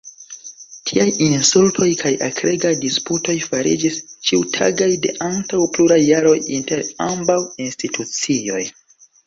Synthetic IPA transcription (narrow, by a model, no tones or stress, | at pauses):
tʰiajinsultʰo̞jkʰajakʰɾeɡajdisputo̞jfaɾḭd͡ʒist͡ʃiutʰa̰ɡajde̞̰ʔantawpluɾajːaɾo̞jinte̞ɾambawinstitʰut͡sio̞̰j